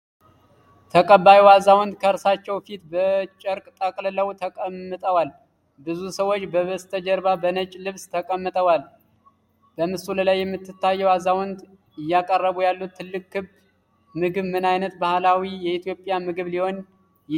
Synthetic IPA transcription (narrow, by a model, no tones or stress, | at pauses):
t̪ʰəkʼəbajiwazawɔnd̪kʰəɾsat͡ʃːɛwfit̪bət͡ʃʼəɾkʼt̪ʼəkʼlləwt̪ʰəkʼəmːɨt̪ʼəwal | bɨzusəwot͡ʃːbəβəst̪ʰəd͡ʒəɾbabənət͡ʃʼlɨβst̪ʰəkʼəmːɨt̪ʼəwal | b̥əmɨsuləlajːɛmːɨt̪ʰːɨt̪ːajːɛwazawɔnd̪ | ɪjːakʼərːəβujalːut̪ʰːɨlːɨkʼːɨb | mɨɡɨβmɨnajnət̪bahlawijɛit̪ʰjo̞pʼjamɨɡɨβliho̞n | j